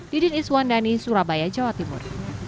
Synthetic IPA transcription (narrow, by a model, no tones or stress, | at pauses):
d̥idiniswandanisuɾabajad͡ʒawat̪imʊ̰r